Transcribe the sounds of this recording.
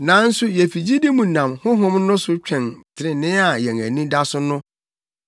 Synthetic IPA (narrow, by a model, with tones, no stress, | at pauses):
nã˨˦n̩˦sʊ˦jɛ˨fi˨d͡ʑi˦di˦mũ˨nã˨mhʊ̃˦ɦʊ̃˦m˦nʊ̃˦sʊ˦t͡ɕᶣʰɛ̃˨ntʰɪ˨ɾɪ̃˨nɪ̃˦a˨jɛ̃˨ŋæ̰˨nĩ˦da˦sʊ˦nʊ̃˦